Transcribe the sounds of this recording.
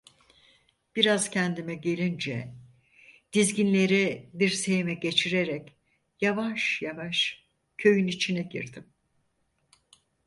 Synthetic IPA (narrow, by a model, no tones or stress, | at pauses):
b̥iɾaz̥cʰɛnd̪imɛɟe̞lʲind͡ʒɛ̰ | d̪̥izɟinlʲe̞ɾibiɾse̞jmɛɟe̞t͡ʃʰiɾeɾɛc | javaʃjavaʃ | cʰø̞jynit͡ʃʰinɛɟḭɾd̪im